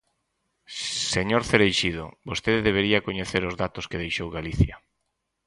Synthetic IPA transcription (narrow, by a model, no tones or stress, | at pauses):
seɲoɾθeɾejʃiðʊ̰bost̪eðeðeβ̞eɾiakoɲeθeɾʊzðat̪ʊskeð̞ejʃowɣaliθjɐ